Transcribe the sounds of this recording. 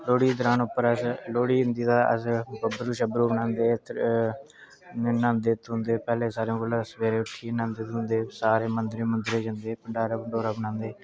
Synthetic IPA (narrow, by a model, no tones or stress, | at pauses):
loːɽiːd̪əɾaːnʊpːəɾəsloːɽiːʊnd̪iːd̪aːʔəsbəbɾuːʃəbɾuːbənãːnd̪eːt̪ | nãːnd̪eːt̪ɦʊ̃nd̪eːpɛːleːsaːɾõːkəlasʋeːɾeːʊʈʰːiːnãːnd̪eːt̪ɦʊ̃nd̪eːsaːɾeːmənd̪ɾeːmənd̪ɾeːd͡ʒənd̪eːpəɳɖaːɾaːpəɳɖoːɾaːbənãːnd̪eː